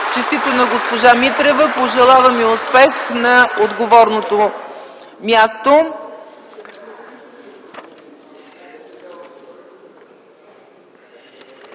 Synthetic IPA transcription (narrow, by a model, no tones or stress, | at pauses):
t͡ʃist̪it̪onɐɡospoʒamit̪ɾɛvəpoʒɛlˠavɐmiʊspɛxnɐod̪ɡovɔɾnot̪o | mjast̪o